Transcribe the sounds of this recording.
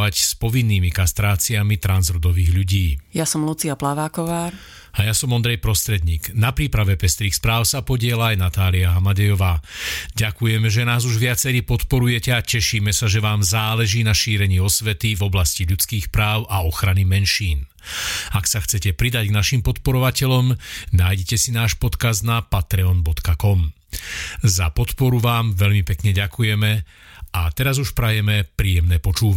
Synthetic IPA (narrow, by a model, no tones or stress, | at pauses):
acspɔʋinːiːmikast̪ɾaːt͡siamit̪ɾanzɔɾud̪ɔʋiːɣʎuɟiːjasɔmlut͡siaplaʋaːkɔʋaːɾ | ajasɔmɔnd̪ɾɛjpɾɔst̪ɾɛd̪ɲiːɡnapɾiːpɾaʋɛpɛst̪ɾiːxspɾaːʊsapɔɟɪɛlaajnat̪aːliaɦamaɟɛjɔʋaːɟakujɛmɛʒɛnaːzuʒʋɪat͡sɛɾiːpɔt̪pɔɾujɛcɛacɛʃiːmɛsaʒɛʋaːmzaːlɛʒiːnaʃiːɾɛɲiːɔsʋɛt̪ivɔblasciʎut͡skiːxpɾaːʊʔaɔxɾanimɛnʃiːn | aksaxt͡sɛcɛpɾid̪aɟɡnaʃimpɔt̪pɔɾɔʋacɛʎɔmnaːjɟɛcɛsinaːʃpɔt̪kazd̪napat̪ɾɛɔnbɔt̪kakɔm | zapɔt̪pɔɾuʋaːmʋɛʎmipɛkɲɛɟakujɛmɛat̪ɛɾazuʃpɾajɛmɛpɾiːjɛmnɛːpɔt͡ʃuːʋ